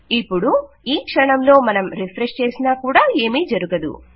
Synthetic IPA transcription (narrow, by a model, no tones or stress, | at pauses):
ipːuɽu | iːkʂɐɳɐmlo̞ːmɐnɐmɾipʰɾeʂt͡ʃe̞ːsinaːkuːɽaːe̞ːmiːd͡ʒɐɾuɡɐd̪ṵ